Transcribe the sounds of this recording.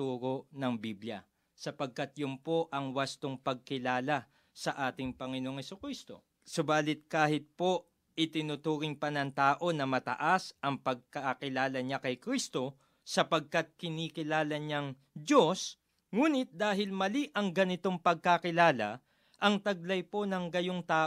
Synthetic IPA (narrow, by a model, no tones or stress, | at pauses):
t̪uːɾo̞nɐŋbibljɐ̰ | sɐpɐɡ̚kɐt̪jʊmpo̞ʔɐŋwɐst̪oŋpɐɡ̚kɪlaːlɐ | sɐʔaːt̪ɪŋpɐŋɪnooŋhɛsʊkɾist̪o̞̰ | sʊbaːlɪt̪̚kaːhɪt̪̚po̞ | ʔɪt̪ɪnʊt̪uːɾɪŋpɐnɐŋt̪aːʔo̞nɐmɐt̪ɐ̰ʔasʔɐŋpɐɡ̚kɐkɪlaːlɐɲakɐjkɾist̪o̞ | sɐpɐɡ̚kɐt̪̚kɪniːkɪlaːlɐɲɐŋ | d̪o̞s | ŋuːnɪt̪̚d̪aːɦɪlmɐliʔɐŋɡɐnɪt̪o̞ŋpɐɡ̚kakɪlaːlɐ | ʔɐŋt̪ɐɡ̚lɐjpo̞nɐŋɡɐjo̞ŋt̪aː